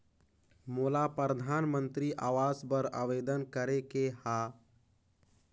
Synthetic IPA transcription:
moːlapɾɾəd̪ʱanmə̃nt̪ɾiʔaːʋazbəɾə̰ʋed̪ənkəɾekeha

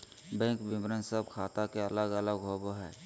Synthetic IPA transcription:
bɛ̃ŋkbɪmɾənsəbkʰaːt̪akeɐləɡələɡɦoːboɦɛ̰ː

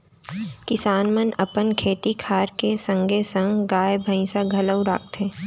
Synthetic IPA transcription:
kɪsaːnmənɐpənkʰeːt̪ikʰaːɾkesə̃ŋɡesə̃ŋɡɡaːjbʱə̃ĩsaɡʱɐləwɾa̰ːk̚t̪eː

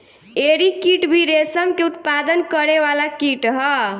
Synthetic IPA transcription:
eɾikiʈbʱiɾesəmkeut̪pad̪ənkəɾeβalakiʈɦʌ

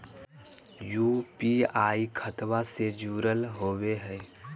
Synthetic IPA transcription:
jupiaːikʰət̪wased͡ʒuːɾəlɦoːweɦɛ

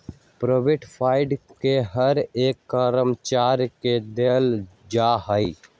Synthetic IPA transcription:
pɾobɪʈpʰaːɪɖkeɦəɾeːkːəɾəmt͡ʃaːɾked̪eːld͡ʒaːɦəi

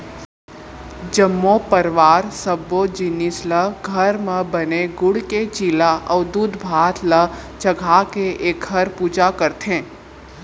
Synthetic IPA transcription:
d͡ʒəmːopəɾʋaːɾsəbːod͡ʒɪnɪsləɡʱɐəɾmẽbəneɡʊɽket͡ʃiːlaʔɐʋd̪uːd̪bʱaːt̪ʰlət͡ʃɐɡʱakeʔeːk̚ɡʱɐɾpuːd͡ʒakəɾt̪ẽː

